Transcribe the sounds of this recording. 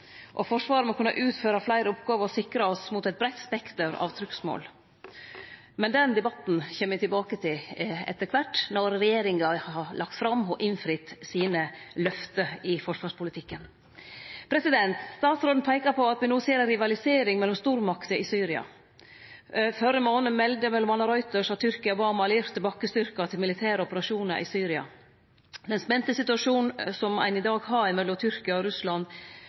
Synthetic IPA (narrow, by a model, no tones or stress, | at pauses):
ʔɔfɔʂʋɑːɾəmɔkʰʉnːɑ̰ʔʉːt̪føːɾɑflæɪɾəɔpɡɑːʋəɾɔsɪkɾɑɔsmut̪æɛt̪̚bɾɛɪt̪ːspɛkt̪əɾɑ̰ʋt̪ʰɾʏksmo̰ːl | mɛnd̪ɛnd̪ɛbɑt̪n̩çɛːməɪt̪ɪlbɑːkət̪ʰɪlɛ̰t̪ːəɾkʰʋæʈːnɔɾɾɛjeːɾɪŋɑhɑlʔɑkt̪fɾɑmːhɔʔɪnfɾɪt̪ːsiːnəlœft̪əɪfɔʂʋɑːʂpʊlɪt̪ʰɪkːən | pʰɾɛsɪd̪ɛnt̪st̪ɑːt̪sɾoːn̩pʰæɪkɑɾpʰɔɑt̪ʋɪnuːseːɾəɾɪʋɑlɪseːɾɪŋmɛlːɔmst̪uːɾmɑkt̪əɪsyːɾɪɑ̰ | fœɾəmoːnəmɛld̪əmɛlːɔmɑnːɑɾɔʏt̪əʂhɑt̪ʰʏɾkɪɑʊbɑːmɑliːɾt̪ʰːɪlbɑːkːəst̪ʏɾkɑt̪ʰɪlmɪlɪt̪ʰæːɾəɔpəɾɑʂuːnə̰ɾʔɪ̰syːɾɪɑ̰ | d̪ɛnspɛnt̪əsɪt̪ʉɑʂuːnn̩sɔmæ̰ɪnɪd̪ɑːɡhɑɾɪmɛlːɔmt̪ʰʏɾkɪɑɔɾʉslɑn